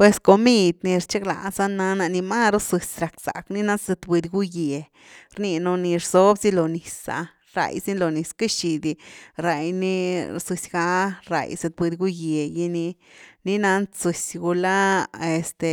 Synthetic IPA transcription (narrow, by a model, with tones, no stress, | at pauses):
pwe˧sko˧mi˧d̪ni˧ɾt͡ʃe˦kla̰˨sa˦na˧na˧ni˧ma˦ɾo˦su˧sɾa˨ksa̰˨kni˦na˦ze˧t̪bi˧d̪ɡu˦je˨ | ɾni˧no˧ni˧ɾz̥o˦bzi˦lo˨ni˨sa̰˧ | ɾa̰˨jsi˦lo˨˧ni˧ska˦ʃi˧d̪i˧ɾa˨jni˦˧su˧sɡa˧˦ɾa̰˨jse˧t̪̚bi˧d̪ɡu˦je˨ji˧ni˧ | ni˦na˧˦nsu˧sɡu˧la˦e˨st̪e˧